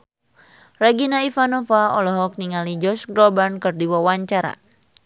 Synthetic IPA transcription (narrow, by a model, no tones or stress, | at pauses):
rɛɡinaifanɔfaɔlɔɦɔk̚niŋalid͡ʒɔsɡɾɔbankɨrdiwawaɲt͡ʃaɾa̰